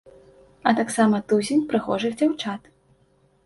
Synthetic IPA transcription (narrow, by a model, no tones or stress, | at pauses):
ɐt̪aksamɐt̪uzʲenʲpɾɨxɔ̰ʐɨxd͡zʲawt͡ʂat̪